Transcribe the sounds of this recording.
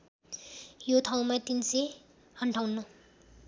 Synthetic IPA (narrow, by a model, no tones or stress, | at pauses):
jot̪ʰaw̃mat̪inse | hʌɳʈʰawnːo